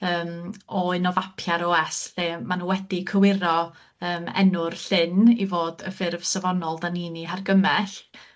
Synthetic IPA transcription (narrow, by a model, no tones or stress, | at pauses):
əːmɔɪnɔvapʰjaɾoːɛsɬemanuwɛdikʰəwɪɾɔ | əːmɛ̰nʊrɬɪnivoːdə̰fɪrv̥səvɔnɔlˠdaniːniɦarɡəmɛɬ